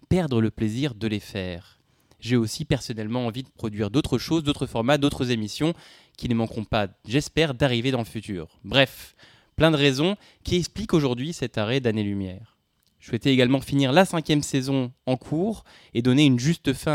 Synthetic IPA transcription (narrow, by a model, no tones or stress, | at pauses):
pɛʁd̪ʁələpleziʁd̪əlefɛːʁ | ʒeosipɛʁsɔnɛlmɑ̃ɑ̃vid̪əpχɔd̪ɥiʁd̪ot̪χəʃozd̪ot̪χəfɔʁmad̪ot̪χəzemisjɔ̃ | kʲinəmɑ̃kʁɔ̃paʒɛspɛʁd̪aʁived̪ɑ̃ləfyt̪y̰ːʁbʁɛf | plɛ̃d̪əʁezɔ̃ | kʲʰiɛksplikoʒuʁd̪ɥisɛt̪aʁɛd̪anelymjɛːʁ | swɛt̪ɛeɡalmɑ̃finiʁlasɛ̃kʲjɛmsezɔ̃ɑ̃kʰuːʁ | ed̪ɔneynʒyst̪əfɛ̃